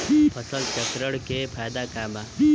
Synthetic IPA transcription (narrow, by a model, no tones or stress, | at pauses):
pʰɐsəlt͡ʃɐkɾəɽkepʰaːjd̪akaːma